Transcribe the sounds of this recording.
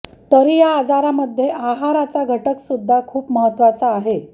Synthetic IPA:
t̪əɾijaːd͡zaɾaməd̪ʱːjeʔaɦaɾat͡saɡʱəʈəksud̪ʱːakʰuːpməɦət̪ːʋat͡saːɦe

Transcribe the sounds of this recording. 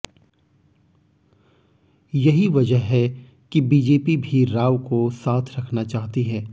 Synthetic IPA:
jɐɦiʋɐd͡ʒəɦɦɛ | kibiːd͡ʒeːpibʱiɾaːʋkosaːt̪ʰɾɐkʰnat͡ʃaːɦt̪iɦɛ̃ː

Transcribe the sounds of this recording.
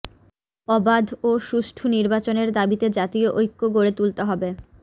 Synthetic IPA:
ɔbad̪ʱoʃuʃʈʰuniɾbat͡ɕoneɾd̪abit̪ed͡ʑat̪ioʔojkːoɡoɾet̪ult̪eɦɔbe

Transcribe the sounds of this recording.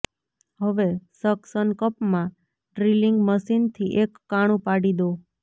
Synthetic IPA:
ɦəʋesəksənkəpmã | ɖɾiliŋɡməsint̪ʰiʔekːaɽ̃ũpaɽid̪o

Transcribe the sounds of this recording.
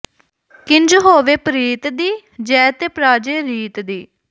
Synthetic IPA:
kɪɲd͡ʒɦoːʋeːpəɾiːt̪d̪iː | d͡ʒɛːt̪eːpɾaːd͡ʒeːɾiːt̪d̪iː

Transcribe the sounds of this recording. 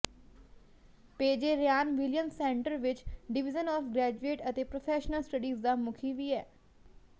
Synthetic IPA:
peːd͡ʒeːɾjaːnʋɪlijəmsɛ̃ːɳʈəɾʋɪt͡ʃɖɪʋɪd͡ʒənɔːfɡɾɛːd͡ʒueːʈət̪eːpɾoːpʰɛːʃnəlsʈəɖiːzd̪aːmʊkʰiːʋiːɛː

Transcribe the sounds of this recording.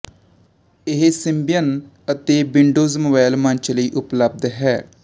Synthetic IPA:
ɪɦsɪmbijən | ət̪eːbɪɳɖoːzmoːbaːɪlmə̃ɲt͡ʃləiːʔʊpləb̚d̪ɦɛː

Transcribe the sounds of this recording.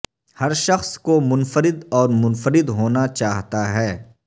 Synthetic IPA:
hɐɾʃɐxskomʊnfəɾɪd̪ɔːɾmʊnfəɾɪd̪ɦoːnat͡ʃaːɦt̪aɦɛː

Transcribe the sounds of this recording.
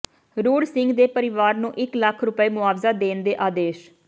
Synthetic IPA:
ɾuːɽsɪŋɡd̪eːpəɾɪʋaːɾnũːʔɪkləkʰɾʊpəeːmʊaːʋzaːd̪eːnd̪eːʔaːd̪eːʃ

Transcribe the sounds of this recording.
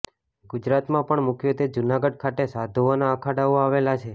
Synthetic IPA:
ɡʊd͡ʒɾat̪mãpəɳmʊkjot̪ed͡ʒunaɡəɖ̚kʰat̪esad̪ʱoonaəkʰaɽaʋoaʋelat͡ʃʰe

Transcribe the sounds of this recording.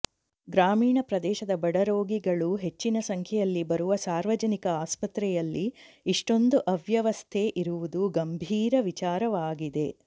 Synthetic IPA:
ɡɾaːmiːɳɐpɾɐd̪ɛːʃɐd̪ɐbɐɽɐɾoːɡiɡɐɭuɦe̞t͡ʃːinɐsɐŋkʰjɛjɐlːibɐɾuʋɐsaːɾʋɐd͡ʒɐnikɐaːspɐt̪ɾɛjɐlːiː | ʂʈo̞nd̪uʔɐʋjɐʋɐst̪ʰeːʔiɾuʋud̪uɡɐmbʱiːɾɐʋit͡ʃaːɾɐʋaːɡid̪e̞

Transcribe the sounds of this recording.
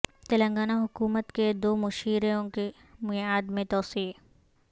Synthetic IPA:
t̪ɐlə̃ŋɡaːnaɦʊkuːmət̪ked̪oːmʊʃiːɾeoke | mʊaːd̪mẽt̪ɔːsiː

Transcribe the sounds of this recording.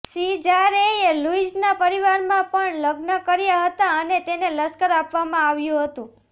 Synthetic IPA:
sid͡ʒaɾeeluid͡ʒnapəɾiʋaɾmãpəɳləɡnəkəɾjaɦət̪aənet̪eneləskəɾapʋamãaʋjũɦət̪ũ

